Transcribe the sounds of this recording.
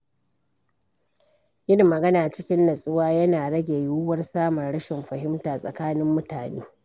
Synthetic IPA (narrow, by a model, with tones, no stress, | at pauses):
jɪ˦nmɐ˨ɡɐ˦naː˨t͡ʃɪ˦kʲɪ˦nːɐ˨sʼʊ˦waː˦jɐ˦naː˨ɽɐ˦ɡʲe˨juː˦wɐ˦rsaː˦mɐ˨rɽɐ˦ʃɪ˨mɸɐ˨hɪ˦mtaː˨sʼɐ̰˨kaː˦nɪ˦mːʊ˦taː˨nḛː˦